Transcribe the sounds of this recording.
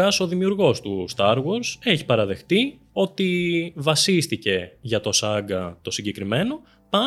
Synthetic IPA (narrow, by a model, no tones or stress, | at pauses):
ɐso̞ðimiuɾɣo̞st̪ust̪ɐɾɣwo̞ɾse̞çi̥pɐɾɐðe̞xt̪i | o̞t̪ivɐsist̪ice̞ʝɐt̪o̞sɐɡɐt̪o̞siɲɟe̞kɾime̞no̞ | pɐ